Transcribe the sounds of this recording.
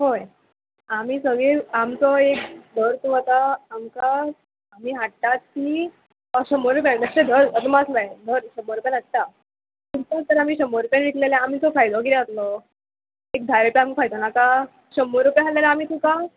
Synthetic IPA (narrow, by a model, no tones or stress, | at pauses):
ɦoj | amiːsəɡɭiɾamt͡sɔek̚d̪ʱəɾt̪uɦɔt̪aamkaː | miːɦaʈʈat̪̚kiː | ɕəmoɾupɛnd̪əsed̪ʱəɾəsəmaslaed̪ʱəɾɕəmoɾpɛnast̪ːa | t̪uɾt̪ət̪əɾamiːɕəmoɾpenʋik̪lelaamiːt͡sɔfʰajd̪ɔkiɾeat̪lɔ | ek̚d̪ʱaɾepiamifʰajt̪ɔnaka | ɕəmoɾupjɦalalaamiːt̪ʰũka